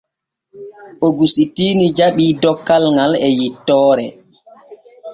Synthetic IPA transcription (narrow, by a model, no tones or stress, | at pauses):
ʔoɡustitiːnid͡ʒaɓiːdɔkːalŋɡalɛjitːɔːɾɛ